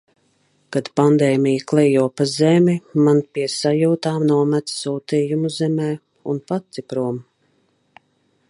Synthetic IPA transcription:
kad̪pand̪ɛːmʲijəklˠɛjuɔpazɛmʲimanpʲiɛsajuːt̪aːmnuɔmæt̪ssuːt̪iːjumuzɛmɛː | ṵnpat̪sipɾuɔm

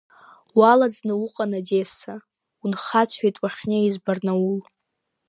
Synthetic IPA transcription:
walad͡znɨwuqʼanadesa | unχat͡sʷʰejtʼwaχʲneizbarnaul

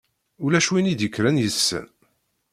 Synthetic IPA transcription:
ʊlæʃwinid̪jəkːɾænjəsːə̰n

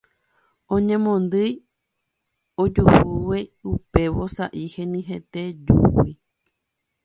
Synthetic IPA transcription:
õɲẽmõnd̪ɨj | od͡ʒuhuweupe̞ʋo̞saʔihẽnĩɦet̪ed͡ʒṵwi

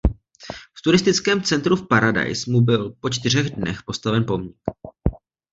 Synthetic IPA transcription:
ft̪uɾɪst̪ɪt͡skɛːmt͡sɛnt̪ɾufpaɾada̰jsmubɪlpo̞t͡ʃt̪ɪr̝ɛɣdnɛxpo̞st̪avɛnpo̞mɲɪk

